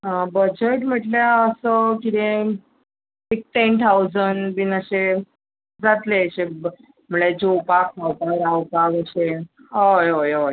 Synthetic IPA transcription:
ɦbəd͡ʑeʈm̤əʈljaəsəkit̪ẽ | ik̚ʈent̪ʰawd͡zənʋinəɕe | d͡zat̪leəɕe | m̤uɭed͡ʑowpakʰawt̪aɾawpakəɕeojojo

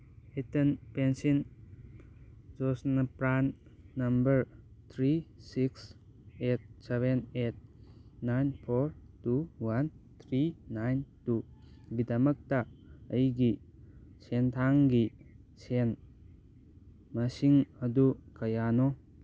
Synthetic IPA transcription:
etenpensin | d͡ʒosnɐpɾannɐmbəɾt̪ʰɾisiks | et̚seβenet̚najnpʰoɾ | tuwant̪ʰɾiːajntu | ɡidɐmɐk̚taːjɡi | sentʰaŋɡi | sen | masiŋɐdukɐjano

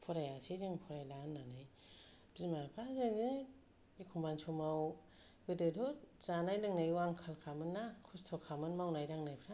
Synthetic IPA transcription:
pʰɔɾajasizɯŋpʰɔɾajlanːanɯj | b̥zimapʰazaŋzɯŋ | ikʰumbansʰumaw | ɡɯdɯdʰutz̥anajlɯŋnajwaŋkʰalkʰamɯnːakʰustʰɔkʰamɯnmawnajdaŋnajpʰɾa

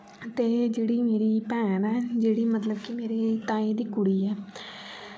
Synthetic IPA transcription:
t̪eːd͡ʒeːɽiːmeːɾiːpɛːnɛːd͡ʒeːɽiːmət̪ləbkɪmeːɾeːt̪aːiːd̪iːkʊɽiːɛː

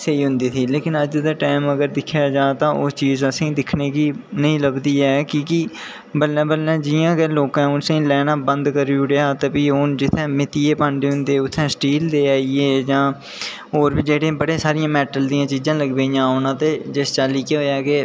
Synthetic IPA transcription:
seːiːɦʊ̃nd̪iːt̪ʰiːleːkɪnəd͡ʒd̪aːʈaːɪməɡəɾd̪ɪkʰːjaːd͡ʒaːt̪ãːʔʊst͡ʃiːzəsĩːd̪ɪkʰneːkiːnəĩːləbd̪iːɛːkĩːkɪ | bəlːɛ̃ːbəlːɛ̃ːd͡ʒɪãːkɛːloːkɛ̃ːʊnsẽĩːlɛːnaːbənd̪kəɾuːɽeaːt̪eːpiːʊnd͡ʒɪt̪ʰːɛ̃ːmɪt̪iːeːpãːɳɖeːɦʊ̃nd̪eːʊt̪ʰːɛ̃ːsʈiːld̪eːaːieːd͡ʒãː | oːɾbiːd͡ʒeːɽẽːbəɽẽːsaːɾijãːmɛːʈəld̪iːãːt͡ʃiːzãːləɡbeːjãːɦoːnãːt̪eːd͡ʒɪst͡ʃaːliːkeɦoːjaːkeː

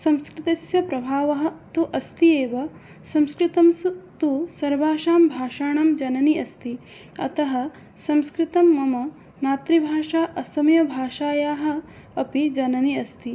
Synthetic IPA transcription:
sɐmskɾɪt̪ɐsjɐpɾɐbʱaːʋɐɦɐ̆t̪uʔɐst̪ieːʋɐ | sɐmskɾɪt̪ɐmsut̪usɐɾʋaːʃaːmbʱaːʃaːɳɐmd͡ʒɐnɐniɐst̪i | ɐ̰t̪ɐɦɐ̆ | sɐmskɾɪt̪ɐmːɐmɐ | naːt̪ɾibʱaːʂaːʔɐsɐmjɐbʱaːʃaːjaːɦɐ̆ | ɐpid͡ʒɐnɐniɐst̪i

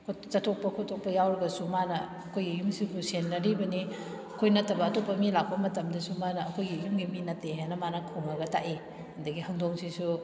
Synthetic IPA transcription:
kʰot͡ʃɐtʰok̚pɐkʰotʰok̚pɐjawɾɐɡɐsumanɐːkʰojɡijumsibusenːɐɾibɐni | ɐkʰojnɐtːɐbɐːtopːɐmilak̚pɐmɐtɐmdɐsumanɐːkʰojɡijumɡiminɐtːeɦenɐmanɐkʰoŋnɐɡɐtaʔi | hɐndɐɡihɐŋdoŋsisu

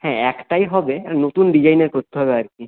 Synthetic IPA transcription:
hɛ̃ɛkʈajɦɔbenot̪unɖid͡ʑajneɾpɾot̪ːuɦɔβeaɾki

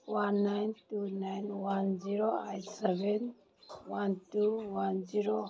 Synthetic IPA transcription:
wanːajntunajnwand͡ʒiɾoajtsɛbɛn | wantuwanziɾo

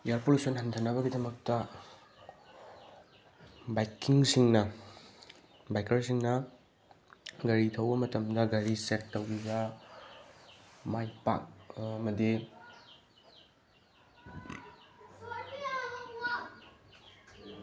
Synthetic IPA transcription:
jaɾpolusonɦɐntʰɐnɐβɐɡidɐmɐk̚tɐ | bajkːiŋsiŋnɐ | bajkɐɾsiŋnɐ | ɡɐɾitʰɐwbɐmɐtɐmdɐɡɐɾisetːɐwɡiɡa | majpa̰k̚ːmɐdi

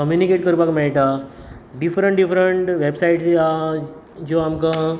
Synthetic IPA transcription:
kəmjunikeʈ̚kəɾpakmɛɭʈ̪aɖifɾəɳʈɖifɾəɳʈʋebsaiʈt͡ɕa | d͡ʑoamka

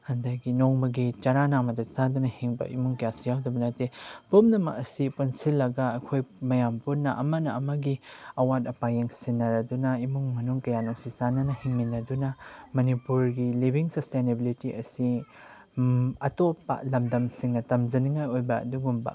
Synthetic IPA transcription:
hɐndajɡinoŋmɐɡit͡ʃaɾanaŋmɐdɐzadunɐhiŋbɐ̰imuŋkjasijawdɐbɐnɐtepumnɐmɐ̰kɐsipunsilːɐɡɐɐkʰojmɐjamputnːɐʔɐ̰mɐnɐɐmɐɡiɐwat̚ɐpajeŋsinːɐɾɐdunɐimuŋmɐnuŋkɐjanoŋsizanɐnɐhiŋminːɐdunɐmɐnipuɾɡilibiŋsɐstenebilitiʔɐsi | ɐtopːa̰lɐmdɐmsiŋnɐtɐmd͡ʒɐniŋajojbɐɐ̰duɡumbɐ̰

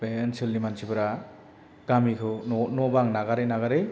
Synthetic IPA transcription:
bensɯlnimansibɯɾa | ɡ̥amikʰɯnɔbaŋnaɡaɾɯjnaɡaɾɯj

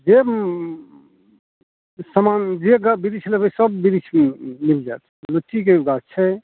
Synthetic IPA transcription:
d͡ʒe | səmand͡ʒeɡabiɾit͡ʃʰlebəsəbːiɾit͡ʃʰmild͡ʒat̪ʰlut͡ʃːikeuɡat͡ʃʰɛ

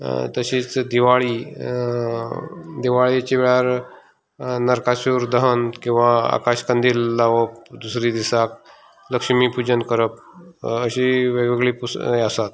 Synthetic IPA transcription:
t̪əɕiːt͡sd̪iʋaɭiː | d̪iʋaɭit͡ɕiʋeɭaɾ | nəɾkaɕuɾd̪əɦənkĩw̃ʋaa̰kaɕkənd̪iːlːaʋəp̚d̪usɾiːd̪isak | ləkʂmipud͡ʑənkəɾəp̚əɕiʋeɡeɡɭipusasat̪

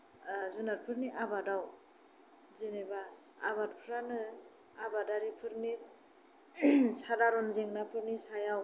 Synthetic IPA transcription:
zunaɾpʰɯɾniʔabadaw | zinebaː | baɾpʰɾanɯ | abadaɾipʰɯɾni | sadaɾɔnzeŋnapʰɯɾnisajaw

